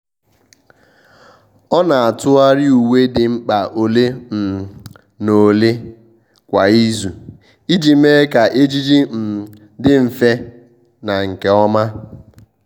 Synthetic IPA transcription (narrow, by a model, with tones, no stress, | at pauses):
ɔ˦na˨a˨tʊ˦a˦ɾɪ˦u˨we˦dɪ˨ŋ͡m̩˦k͡pa˨ʔo˨le˦m̩˨ | no˨le˦ | kʷa˨i˦zu˨ | i˦d͡ʒi˨me˦ka˨ʔe˦d͡ʒi˦d͡ʒi˦m̩˨ | dɪ˦m̩˨fe˦ | na˨ŋ̩˨ke˨ɔ˦ma˦